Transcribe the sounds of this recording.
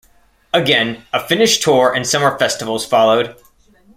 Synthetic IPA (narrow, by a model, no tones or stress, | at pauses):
əɡɛ̃nəfɪ̃nɨʃtʰɔɹʔɨ̃nsʌmə˞fɛstəvl̩ˠz̥fɑlˠoʊd̥